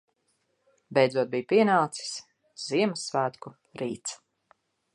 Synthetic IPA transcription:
bʲɛjd̪zuɔd̪̚bijpiɛnalt̪si̥s | z̥iɛmɐsːvæːt̪ku | ɾiːt̪s

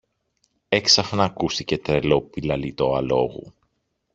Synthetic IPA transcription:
e̞ksɐxnɐːkust̪ice̞t̪ɾe̞lo̞pilɐlit̪o̞ɐlo̞̰ɣṵ

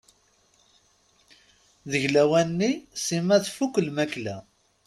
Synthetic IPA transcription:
ðəʝlæwænːisimæθfukːəlmæklæ

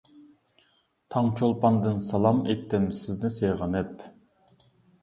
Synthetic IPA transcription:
t̪ʰɑŋt͡ʃʰolˠpɑnd̪ɨnsɑlˠɑmet̪ːɪmsɪznɪseʁɑnɛt

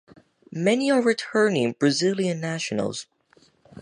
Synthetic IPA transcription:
mɛniə˞ɹɨtʰɜ˞nɪ̃ŋb̥ɹɨzɪlˠiɨ̃nːæʃɨn̰l̩ˠz̥

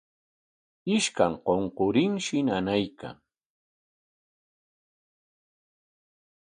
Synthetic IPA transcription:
ɪʃkaŋqoɴqoɾɪŋʃɪnanajka̰ŋ

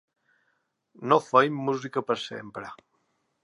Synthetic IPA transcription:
nofejmːuzikəpəɾsḛmpɾə

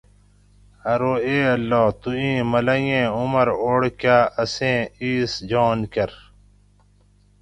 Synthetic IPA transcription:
ɐɾoːeːɐlːɔːt̪uĩːmɐlɐjẽːumɐɾoːɽkaːʔɐsẽːiːsd͡ʑoːnkɐɾ

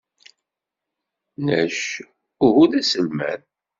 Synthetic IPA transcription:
næ̰ʃ | ʊhuðæsəlmæ̰n

